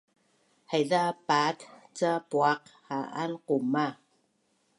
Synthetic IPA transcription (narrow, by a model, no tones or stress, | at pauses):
hajðapat̪t͡sapuaqhaʔa̰nquma